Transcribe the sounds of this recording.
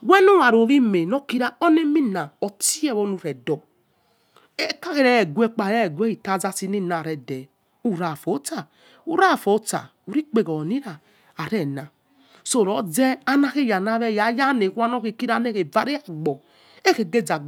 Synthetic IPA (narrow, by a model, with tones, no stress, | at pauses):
wɛ˦no˦wa˨ɾo˨ɾi˦me˨no˦ki˦ɾa˦o˦ne˦mi˦na˨ɔ˨ti˦ɛ˦˨βɔ˨˦nu˨ɾɛ˨dɔ˨ | e˦ka˦ke˦ɾɛ˦˨ɡʷɛ˦k͡pa˨ɛ˦˨ɡʷe˦i˨ta˦˨za˧si˧ni˦˨na˨ɾɛ˨dɛ˨ | u˦˨ɾa˨fo˨˦ta˨ | u˦ɾa˦˨fo˨˦ta̰˨ | u˨ɾi˦k͡pe˨ɡɔ˨ni˦ɾa˨ | a˨ɾɛ˦˨na˨ | so˨ɾɔ˨˦d͡zɛ˦a˦na˦ke˦˨ja˨na˦βɛ˦ja˨˦ja˦ne˨ku˦a˦n˦o˦ke˨ki˦ɾa˦ne˦ke˨va˦ɾi˦a˦˨ɡ͡bɔ˨ | e˦ke˨ɡe˦˨d͡za˨ɡ͡b